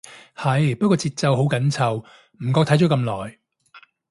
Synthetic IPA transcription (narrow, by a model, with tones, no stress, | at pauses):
hɐ˨jpɐ˥t̚kʷːɔː˧t͡siː˧t̚t͡sɐ˨˧wɦo˨˥wkɐ˨˥nt͡sʰɐ˨˩w | m̩˨˩kɔː˧k̪̚ʰɐ˨˥jt͡ʃɔː˨˥kɐ˧mlɔː˨˩j